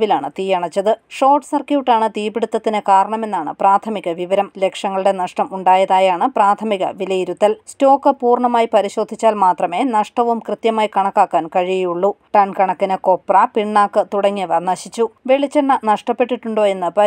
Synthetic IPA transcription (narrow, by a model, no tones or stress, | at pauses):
ʋilaːɳɨt̪iːjɐɳɐt͡ɕːɐðɨʂo̞ːʈsɐrkjuːʈːaːɳɨt̪iːbiɽut̪ːɐt̪ːinekaːɾɐɳɐme̞nːaːɳɨ̰praːt̪ʰɐmiɣɐʋiʋɐɾɐmle̞kʂɐŋːɐɭuɽe̞nɐʂʈɐmuɳɖaːjɐðaːjaːɳɨpraːt̪ʰɐmiɣɐ̰ʋilɐjiɾut̪ːɐlsto̞ːkːɨpuːrɳɐmaːjipɐɾiɕo̞ːd̪ʱːit͡ɕːaːlmaːt̪rɐme̞ːnɐʂʈɐʋumkrɨt̪jɐmaːjikɐɳɐkːaːkːaːnkɐɻijejuɭːuʈɐnkɐɳɐkːinɨko̞pːrɐpiɳːaːkːɨt̪uɽɐŋːiʋɐnɐɕit͡ɕːuʋe̞ɭit͡ɕːenːɐnɐʂʈɐpːe̞ʈːiʈːuɳɖo̞ːe̞nːɨpɐ